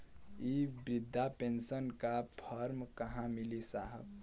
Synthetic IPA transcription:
ibɾɪd̪ʱːapensənkapʰəɾmkəɦãmɪlisaːɦə̰b

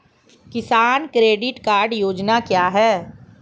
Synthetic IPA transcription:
kɪsaːnkɾeːɖɪʈkaːɾɖjoːd͡ʒnakjaːɦɛː

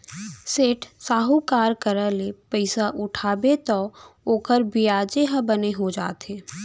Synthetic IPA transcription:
seːʈʰsaːɦukaːɾkəɾəlepəɪsaʔʊʈʰaːbet̪ɔːoːkəɾbiaːd͡ʒeɦə̃bəneɦod͡ʒa̰ːt̪eː

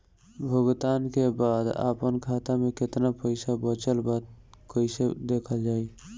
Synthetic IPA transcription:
bʱəɡt̪aːnkebaːd̪a̰pənkʰat̪amẽkɪt̪napəɪsabət͡ʃəlbat̪̚kəɪsed̪ekʰəld͡ʒaːi

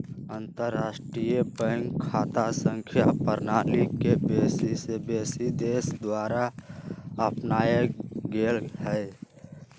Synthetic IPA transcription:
ənt̪əɾːaːsʈɾijəbəŋkʰaːt̪asə̃ŋkʰjapəɾnaːlikebeːsisebesid̪eːsd̪waːɾa | əpnaːjəɡeːlhɛ

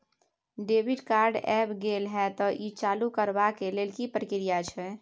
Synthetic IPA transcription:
ɖebiɖkaɾɖɛbɡelɦɛt̪ɔʔit͡ʃalukəɾbakelelkipɾəkɾijat͡ʃʰɛ

